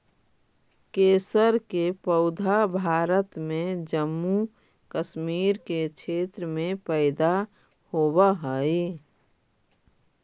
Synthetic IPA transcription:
keːsəɾkepəʊd̪ʱabʱaːɾət̪mẽd͡ʒəmːu | kəʃmiːɾket͡ʃʰeːt̪ɾəmẽpəɪd̪a | hoːbaɦəi

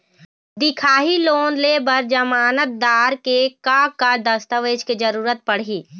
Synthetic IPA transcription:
d̪ɪkʰaːɦiloːnlebəɾd͡ʒəmaːnət̪̚d̪aːɾkekaːkːad̪əst̪əʋeːd͡ʒked͡ʒəɾuːɾət̪̚pəɽ̤iː

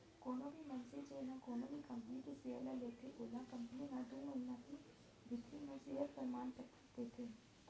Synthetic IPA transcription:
koːnobʱimɐnsid͡ʒenãkoːnobʱikɐ̃mpənikiseəlaleːt̪ʰeʔoːlãkɐ̃mpəninãːd̪unoinãt̪ʰi | bʱɪt̪ɾinɐ̃siɦət̪fəɾmaːnpə | t̪eːt̪ʰeː

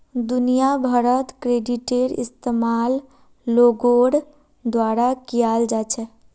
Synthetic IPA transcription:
d̪unijabʱəɾət̪kɾeɖiʈeɾḭst̪emalː | oɡoɽ | d̪waɾakijald͡ʒat͡ʃʰɛ

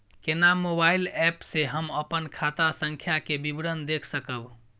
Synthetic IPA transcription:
kenamobailɛpseɦəməpənkʰat̪asəŋkʰjakebibɾənd̪ekʰsəkəb

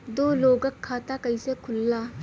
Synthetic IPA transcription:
d̪oloɡɐkʰːat̪akɐjsekʰʊlːa

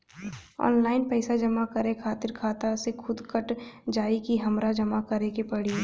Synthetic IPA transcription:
ɔ̰ːnlaːɪnpɛɪsad͡ʒɐmakɐɾekʰaːt̪ɪɾkʰaːt̪asekʰʊd̪kəʈd͡ʒaːikiɦɐmɾad͡ʒɐmakɐɾẽkepɐɽi

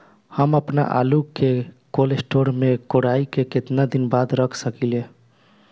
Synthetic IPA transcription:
həməpna̰ʔa̰lukekolesʈoɾmekoɽaikeket̪nad̪inbad̪ɾəkʰsəkile

